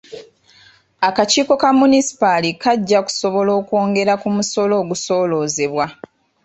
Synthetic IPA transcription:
akaciːko̞kamunisi̥palikaɟːaku̥so̞βo̞lo̞ːkwo̞ːŋɡe̞ɾakumuso̞lo̞ːɡuso̞ːlo̞ːze̞βwa

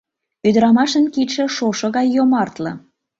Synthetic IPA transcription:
yd̪ɾɑmɑʃənkiʃĕʃoʃɤ̆ɣɑjːomɑrt̪lɤ̆

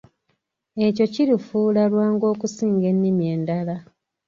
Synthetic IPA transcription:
e̞co̞ciɾifuːlalwaːŋɡo̞ːkusiːŋɡe̞nːimje̞ːndala

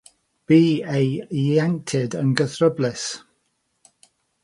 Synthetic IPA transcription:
b̥iːejaŋtʰɪdənɡəθɹəblɪs

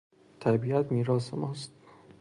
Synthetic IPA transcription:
t̪ʰæbiæt̪miːɾɒːsemɒːst̪̚

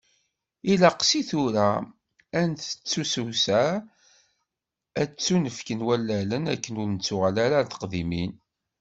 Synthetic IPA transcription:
ilɑqsiθʊɾæ | ænθə̥t͡sːusuwsæ | æt͡sːunəfkənwælːælənækːənʊɾnət͡sːʊʁəlæɾaθə̥qðimin

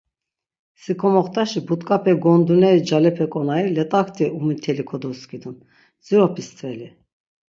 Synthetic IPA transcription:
sikʰɔmɔχt̪ʰʼaʃibut̪ʼkʼapʰɛɡɔnd̪unɛɾid͡ʒalɛpʰɛkʼɔnailɛt̪ʼakt̪ʰʼiumit̪ʰɛlikʰɔd̪ɔskʰʼid̪un | d͡ziɾɔpʰist̪ʰʼvɛli

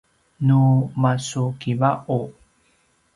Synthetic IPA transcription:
numasukivaʔu

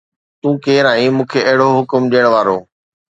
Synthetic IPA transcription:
t̪ũːkeːɾaːĩːmũːkʰeːʔɐɦɪɽoɦʊkʊmɗijəɽ̃ʋaːɾoː

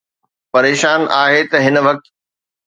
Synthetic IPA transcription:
pɐɾeːʃaːnaːɦet̪ɐɦɪnəʋɐk̚t̪

